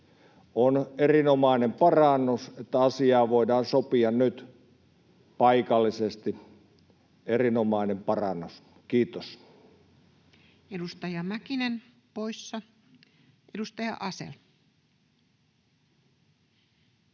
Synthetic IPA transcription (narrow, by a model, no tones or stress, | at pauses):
onerinomɑˑinempɑrɑnːuset̪ːæɑsiɑːʋoˑidɑːnsopiɑnnyt̪ | pɑikɑlːisest̪i | erinomɑˑinempɑrɑnːus | kiːt̪os | edust̪ɑjɑmækinen | poisːɑ | ʔedust̪ɑjɑ̰ʔɑsḛl